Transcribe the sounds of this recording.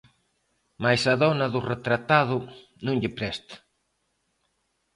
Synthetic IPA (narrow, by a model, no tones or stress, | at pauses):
majsaðɔnɐðʊret̪ɾat̪aðʊ | nũŋʎɪpɾɛst̪ḁ